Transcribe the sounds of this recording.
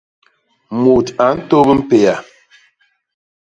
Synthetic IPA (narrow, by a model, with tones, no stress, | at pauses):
mu˨ta˨˦n̩˦to˦bə˦m̩˦pe˨ja˨